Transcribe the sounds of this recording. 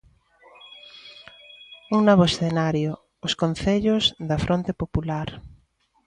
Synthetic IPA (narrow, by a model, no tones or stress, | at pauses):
uŋnoβoesθenaɾjʊː | skon̟θeʎʊzðɐfɾʔont̪epopulaɾ